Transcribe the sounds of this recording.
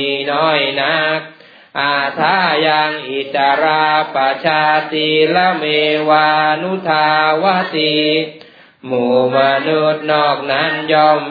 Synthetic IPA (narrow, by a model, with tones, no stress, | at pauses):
nɔː˧˥˩jna˦˥k̚ | ʔaː˧˩t̪ʰaː˦˥˩jaː˧ŋʔi˨˩t̪ːa˧ɾaː˧pa˧t͡ɕʰaː˧t̪iː˧la˦˧˥wmeː˧waː˧nu˦˥t̪ʰaː˧wa˦˧˥t̪i˧ | muː˨˩ma˧nu˦˥t̪̚nɔː˥˩k̚na˦˥njɔː˧˩m